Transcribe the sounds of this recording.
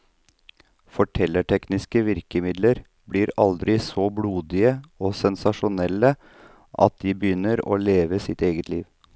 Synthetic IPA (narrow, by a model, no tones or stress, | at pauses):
fɔʈʰɛlːəʈɛknɪskəʋɪɾkəmɪd̪ləɾ | bliːɾɑld̪ɾɪsɔbluːd̪ɪəoːsɛnsɑʂʊnɛlːə | ʔɑ̰t̪̚d̪iːbəjʏnːəɾo̰ːleːʋəsɪt̪eːɡət̪ʰliːʋ